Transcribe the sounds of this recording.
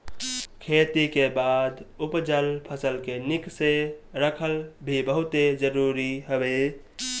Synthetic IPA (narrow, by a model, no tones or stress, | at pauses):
kʰet̪ikebad̪upd͡ʒəlpʰəsəlkenikseɾəkʰəlbʱibəɦʊt̪ed͡ʒəɾuɾiɦəbe